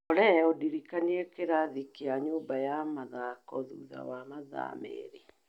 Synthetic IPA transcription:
ɔɾɛodiɾikaniɛkeɾaðikeaɲoːmbajamaðakɔðṵːða̰wamaða̰mḛɾe

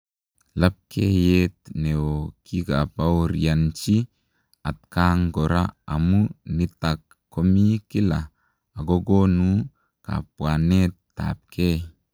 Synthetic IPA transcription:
lap̚kʰejet̪neokʰiɡapawɾiant͡ʃi | at̪̚kaŋɡoɾaa̰munit̪akʰː | omikilaː | ɡoɡonu | ka̰p̚wanet̪ː | a̰p̚kʰe

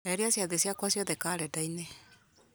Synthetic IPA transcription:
ɛɾiasiaðesiakwasiɔðɛkaːɾɛdaine

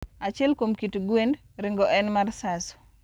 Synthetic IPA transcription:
at͡ʃɪɛlkomkitɡwend | ɾɪŋɡɔʔɛnmarsaso̥

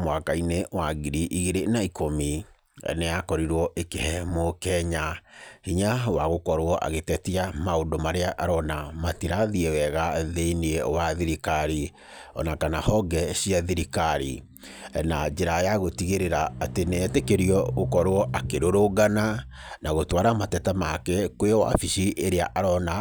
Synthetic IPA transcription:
mwakainewaɣiɾiʔiɣeɾenaikomi | ɛ̰neakɔɾiɾwɔʔekehɛmokɛɲahiɲawaɣokɔɾwɔʔa̰ɣetɛtiamaondomaɾeaʔaɾɔnamatiɾaðiewɛɣaðeiniewaðiɾikaɾi | ɔ̰nakanahɔɡɛɕiaðiɾikaɾḭ | nad͡ʒeɾajaɣotiɣeɾeɾaːtenɛːtekeɾiɔɣokɔɾwɔʔakeɾoɾoɡana | naɣotwaɾamatɛtamakɛkwejɔwa̰fiʃiʔeɾeaʔaɾɔna

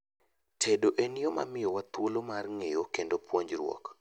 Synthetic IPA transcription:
tʰedoʔenɪjoma̰mɪjɔwat̪wolomarŋejokendopwoɲd͡ʒrwɔ̰k

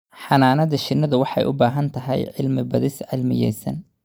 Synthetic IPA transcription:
ħɑnaːnɐðɐʃɪnːɐðʊwɑħɑ̰jʔʊbaːɦɐnt̪ʰɐɦɛ̰jʕɪlmɪbɐðɪsʕɪlmɪ̰jɛ̰jsɐ̰n

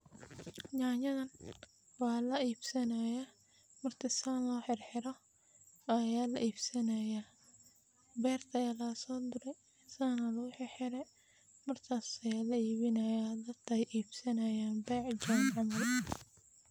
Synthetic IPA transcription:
ɲaːɲɐðɐn | wɑːlɐiːbsɐnɐja | mɐrt̪ʰɪsaːnlɔːħɪrħɪɾɔ | ɐjaːlɐ̰ʔiːbsɐnɐja | bɛːrt̪ʰɐjaːlɐsɔːd̪ʊɾɛ | saːnɐlɐɣʊħɪrħɪɾɛ | mɐrt̪ʰaːsɐjaːlɐiːβɪnɐjad̪ɐd̪kʰɛjʔiːbsɐnɐjaːnbɛːʕd͡ʒanʕɑmɐl

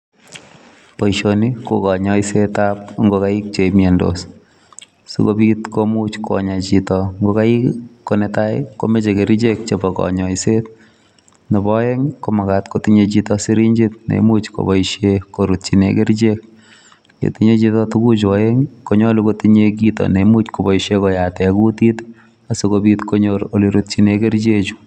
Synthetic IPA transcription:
pɔiʃonikokɔɲɔisetap̚ŋɡokaik̚t͡ʃemɛndo̰s | sṵkopitkomut͡ʃkʰo̰ɲat͡ʃitɔŋɡokaikkːonɛtaj̰ko̰met͡ʃekeɾit͡ʃek̚t͡ʃebɔkɔ̰ɲɔiset̚ | nebɔjeŋkomakatkotiɲet͡ʃitɔsiɾiɲd͡ʒit̚nḛmut͡ʃko̰bɔiʃekoɾut̚t͡ʃinekeɾd͡ʒek̚ | ḛtiɲet͡ʃitɔtukut͡ʃwɔjeŋkoɲɔlukotiɲek̬itɔ̰nemut͡ʃkobɔiʃekɔjatɛkutit | asokobitkoɲoɾoliɾut̚t͡ʃinekeɾd͡ʒet͡ʃu̥

